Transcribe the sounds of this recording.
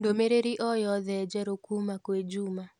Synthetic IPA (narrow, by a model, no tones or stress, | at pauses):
ndomeɾeɾiʔɔjɔðɛd͡ʒɛɾokumakwed͡ʒuma